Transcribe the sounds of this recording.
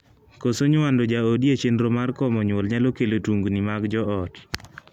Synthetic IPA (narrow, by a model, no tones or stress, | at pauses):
kosoɲʊwandod͡ʒaodjet͡ʃenɾomarkɔmɔɲwɔlɲalokelotuŋɡnimaɡd͡ʒɔɔt